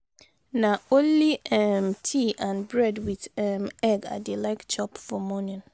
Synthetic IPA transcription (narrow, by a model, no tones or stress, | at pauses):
nãõnliɛmtʰiʔãnbɹɛdwiðɛmɛɡa̰delaɪkt͡ʃɔpfɔmɔ̃nĩn